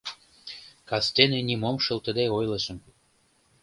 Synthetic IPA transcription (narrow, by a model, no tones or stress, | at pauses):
kɑst̪enĕnimomʃɤ̆lt̪ə̆d̪eojlə̆ʃə̆m